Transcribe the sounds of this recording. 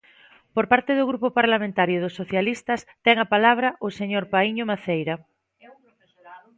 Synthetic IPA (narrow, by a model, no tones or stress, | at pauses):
poɾpaɾt̪eðʊɣɾupopaɾlamẽnt̪aɾjʊðʊsːoθjalist̪ɐst̪ɛŋapalaβ̞ɾɐʔʊseɲoɾpaiɲʊmaθejɾa